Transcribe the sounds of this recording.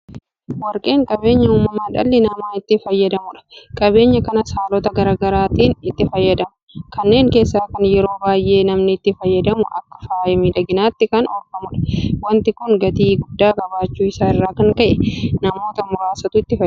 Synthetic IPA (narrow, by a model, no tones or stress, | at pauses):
wɐɾkʼe̞ːŋkʼɐbe̞ːɲːɐuːmːɐmaːᶑɐ̰lːɪnɐmaːɪt̪ːɪfɐjːɐd̪ɐmʊᶑɐ̥kʼɐbe̞ːɲːɐkɐnɐsaːlɔt̪ɐɡɐɾaɡɐɾaːt̪iːnɪt̪ːɪfɐjːɐd̪ɐmʊkɐnːe̞ːŋke̞ːsːaːkɐnjɛɾo̞ːbaːjʔe̞ːnɐmnɪːt̪ːɪfɐjːɐd̪ɐmʊʔɐ̰kːɐ̥faːjɐmilɐɡɪnaːt̪ːɪkɐnɔlfɐmʊᶑɐ̥wɐnt̪ɪkʊŋɡɐt̪iːɡʊd̪ːaːkʼɐbaːt͡ʃːuːɪsaːɪrːaːkɐŋkɐʔɛnɐmo̞ːt̪ɐmʊɾaːsɐt̪ʊɪt̪ːɪfɐ